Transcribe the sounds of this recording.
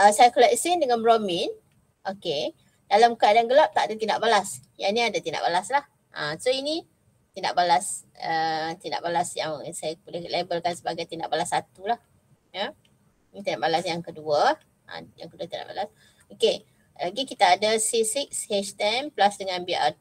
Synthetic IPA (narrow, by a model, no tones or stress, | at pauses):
ʔəsajakəlaʔsindəŋanbɾomin | ʔoke | d̥alamkəadanɡəlap̚t̪aʔadat̪inda̰ʔbalasja̰nĩadat̪inda̰ʔbalaslah | ʔa̰soini | t̪indaʔbalas | ət̪inda̰ʔbalasja̰ŋsajabəlɛhlebəlkansəbaɡajt̪inda̰ʔbalasːat̪ulah | ja | nit̪inaʔbalasjaŋkəduə | ã̰ja̰ŋkəduat̪inda̰ʔba̰las | oke | laɡikit̪aːdasisikshet͡ʃt̪ɛnplasdəŋãnbi